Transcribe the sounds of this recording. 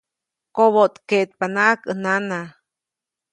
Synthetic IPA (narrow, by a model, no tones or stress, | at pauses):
koβot̪keʔt̪̚panaʔkənana